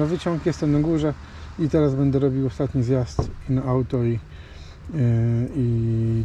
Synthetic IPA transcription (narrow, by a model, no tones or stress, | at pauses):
avɘt͡ɕɔŋkjɛst̪ɛmnaɡuʐɛ | it̪ɛɾazbɛnd̪ɛɾɔbʲiwɔst̪at̪ɲizjast̪inaʔawt̪ɔi | i